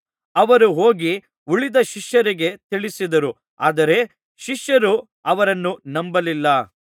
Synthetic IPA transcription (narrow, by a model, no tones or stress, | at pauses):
ɐʋɐɾuɦoːɡi | uɭid̪ɐʃiʃjɐɾiɡe̞t̪iɭisid̪ɐɾu | aːd̪ɐɾe̞ | ʃiʃjɐɾu | ɐʋɐɾɐnːunɐmbɐlilːɐ